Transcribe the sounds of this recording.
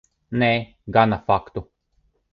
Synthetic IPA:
nɛː | ɡanafakt̪u

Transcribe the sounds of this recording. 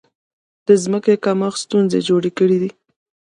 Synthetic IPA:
d̪̥əzməkekamɑxst̪unzḛd͡ʒoɽekəɽid̪i

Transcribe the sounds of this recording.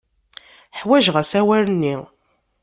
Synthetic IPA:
ħwæʒʁəsæwæɾənːi

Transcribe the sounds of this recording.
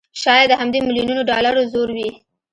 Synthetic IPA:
ʃɑjad̪ːəɦamd̪emilijununoɖɑlaɾozoɾwi

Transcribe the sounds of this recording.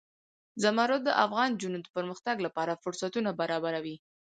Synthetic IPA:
zamɑɾot̪̚d̪əʔafɣɑnd͡ʒunod̪əpəɾməxt̪aɡlapɑɾafʊɾsat̪unabaɾɑbaɾawi

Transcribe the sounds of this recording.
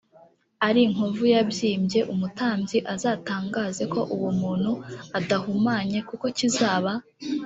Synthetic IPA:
aɾiŋ̥ovujabjiːmbje̞ʔumutaːmbziʔazaːtaːŋɡaːze̞ko̞ʔuwumuːn̥huadahumaːɲe̞kuko̞cizaːβa

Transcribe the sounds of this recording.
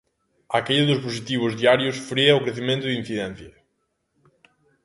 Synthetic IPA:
akeʎaðʊsposit̪iβ̞ʊzðiaɾjʊsfɾiɐʊkɾeθimẽnt̪ʊðin̟θiðɛn̟θjɐ

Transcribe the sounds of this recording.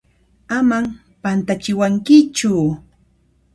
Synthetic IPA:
amam | pant̪at͡ʃɪwaŋkɪt͡ʃʊ

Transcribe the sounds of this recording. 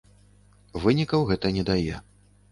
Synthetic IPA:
vɨnʲikɐwɣɛt̪ɐnʲɛd̪ajɛ

